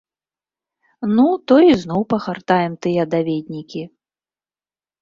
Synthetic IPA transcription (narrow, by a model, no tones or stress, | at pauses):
nut̪ɔiznɔwpɐxart̪ajɛmt̪ɨjɛd̪avʲed̪ʲnʲikʲi